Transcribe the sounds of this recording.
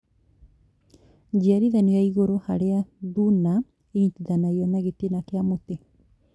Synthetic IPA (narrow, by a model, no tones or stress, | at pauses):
d͡ʒeaɾiðaniaiɣoɾohaɾeaðuna | eitiðanaiɔnaɣetenakeamote